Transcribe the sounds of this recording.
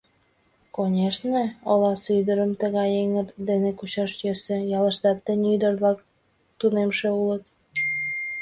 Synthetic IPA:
konʲeʃneolɑsyd̪əɾəmt̪əɣɑjeŋə̆rd̪enekuɕɑʃjøsø̆jɑlə̆ʃt̪ɑt̪ːenʲyd̪ə̆rβlɑk̚ | t̪unemʃeulət̪̚

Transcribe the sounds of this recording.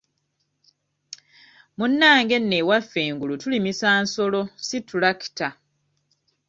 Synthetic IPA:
munːaːŋɡe̞nːewafːe̞ːŋɡulutulimisaːnso̞lo̞situlaki̥ta

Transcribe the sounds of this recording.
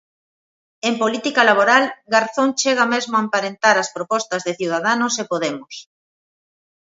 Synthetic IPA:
empolit̪ikalaβ̞oɾalɡaɾθoŋt͡ʃeɣ̞amezmoaempaɾent̪aɾɐspɾopɔst̪ɐzðeθjiwð̞aðanʊsepoðemʊs

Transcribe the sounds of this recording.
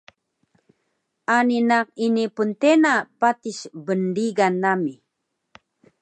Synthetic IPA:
aninaqinipʊnt̪enapat̪iʃbənɾiɡanamɪ

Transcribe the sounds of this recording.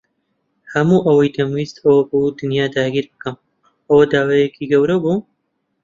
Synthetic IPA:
hɐmuːʔɐwɐjd̪ɐmwiːst̪ɐwɐbud̪ɨnjaːd̪aːɡiːɾbɨkɨm | ʔɐwɐd̪aːwajekʰiɡɐwɾɐbuː

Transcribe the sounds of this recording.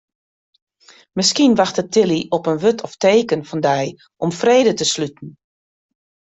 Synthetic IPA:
mɪskinʋaxtətʰɪliɔpənʋøtʰɔfteːkənfɔndɛj | ʔɔmfreːdətəslytn̩

